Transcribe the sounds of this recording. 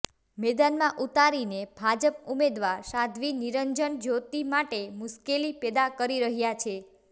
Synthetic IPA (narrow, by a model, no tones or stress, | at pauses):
mɛd̪anmãʔut̪aɾinebʱad͡ʒəp̚umed̪ʋaɾsad̪ʱʋiniɾəɲd͡ʒəɳd͡ʒot̪imaʈemʊʃkelipɛd̪akəɾiɾəɦjat͡ʃʰe